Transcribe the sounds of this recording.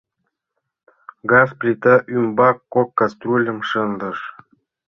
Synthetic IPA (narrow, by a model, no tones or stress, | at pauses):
ɡɑsplʲit̪aʔymbɑkːokːast̪rulʲə̆mʂɤ̆nd̪ɤ̆ʃ